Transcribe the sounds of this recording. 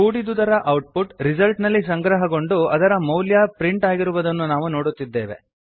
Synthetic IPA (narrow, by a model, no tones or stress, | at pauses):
uːɽid̪ud̪ɐɾɐʔɐwʈ̚puʈɾizɐlʈnɐlːis̬ɐŋɡɾɐɦɐɡo̞ɳɖuɐd̪ɐɾɐmɐwljaːpɾiɳʈaːɡiɾuʋɐd̪ɐnːunaːʋuno̞ːɽut̪ːid̪ːe̞ːʋe̞̰